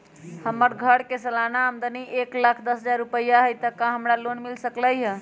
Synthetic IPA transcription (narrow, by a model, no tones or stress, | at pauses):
həməɾɡʱəɽkesəlanaɦəmd̪əniʔeklakʰd̪əsɦəd͡ʒaɾːupəjːaɦəjt̪əkãɦəmɾalonmilsəkləjɦə̃